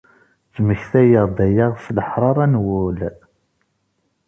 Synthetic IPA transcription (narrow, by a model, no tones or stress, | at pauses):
t͡sməçθæjəʁd̪æjaʁfləħɾˤɑɾˤænwʊl